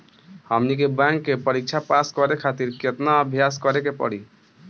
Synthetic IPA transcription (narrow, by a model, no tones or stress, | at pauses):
həmnikebãŋkːepəɾik̚t͡ʃʰapaskɔɾekʰat̪iɾket̪naəbʱjas̬kɔɾekepɔ̰ɽi